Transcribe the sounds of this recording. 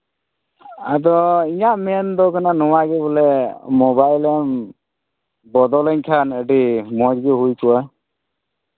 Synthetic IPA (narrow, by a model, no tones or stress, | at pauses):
ad̪ɔiɲaʔmend̪ɔkananɔwaɡɛbɔlɛmɔbajlɛm | bɔd̪ɔlɛɲkʰanəʈimɔd͡ʒɡeɦujkʰua